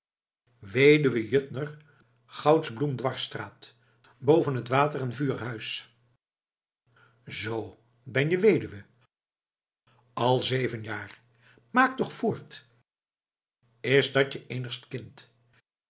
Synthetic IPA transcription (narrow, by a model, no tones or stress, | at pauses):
ʋejdyʋəjøtnər | χɑwtzblumdʋɑɹstraːt | bowvənɦətʋaːtərɛnvyːɹɦœɥs | zow | bɛnjəʋejdyʋə | ɑlˠzejvənjaːr | maːk̚tɔχfʊːɹt | ɪsdɑt͡ʃəʔejnəχstkɪnt